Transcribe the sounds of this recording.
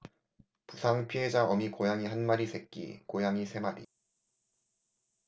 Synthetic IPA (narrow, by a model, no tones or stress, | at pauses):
pusʰaŋpʰie̞d͡ʑaʔʌmikojaŋiɦanmaɾisʰe̞k͈̚ḭkojaŋisʰe̞maɾḭ